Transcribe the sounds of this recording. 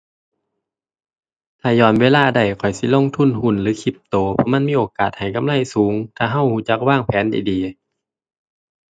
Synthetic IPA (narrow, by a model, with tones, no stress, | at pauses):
t̪ʰaː˧˩jɔː˧˩nweː˧˥˨laː˧˨da˧˩jkʰɔ˨˩jsi˧˦lo˧˥˨ŋt̪ʰu˧˥˩nɦu˧˩˨nlɯː˨˦kʰi˧˦p̚t̪oː˨˩pʰɔ˧˥ma˧˥˨nmiː˧˥˨ʔoː˨˩kaː˨˩t̪̚ha˨˩jka˧˨mla˧˥˩jsuː˨˦ŋt̪ʰaː˧˩ɦa˧˥˩whuː˧˩t͡ɕa˧˥k̚waː˧˥˩ŋpʰɛː˨˦nda˨˩jdiː˨